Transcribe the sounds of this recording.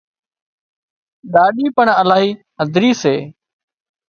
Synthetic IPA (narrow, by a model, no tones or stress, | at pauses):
ɗaːɗiːpəɳəlaːɦiː | ɦəd̪ʱɾiːseː